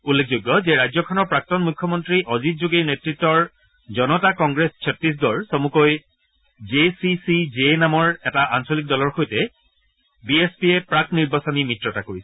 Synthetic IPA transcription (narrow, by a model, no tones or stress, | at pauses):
ulːekʰzojɡːɔzɛɹajzɔkʰɔnɔɹpɹak̚tɔnmukʰːɔmɔntɹiʔɔzit̚zuɡinetɹitːɔɹ | zɔnɔtakɔŋɡɹessʰɔtɹis̬ɡɔɹsomukoj | d͡ʒesisizenamɔɹɛtaʔansolik̚dɔlɔɹxojtɛ | biespiepɹak̚niɹbasɔnimitɹɔtakoɹisɛ̥